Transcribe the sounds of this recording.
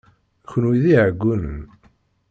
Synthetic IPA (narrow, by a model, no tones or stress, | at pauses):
çənwiðiʕəɡʷːunən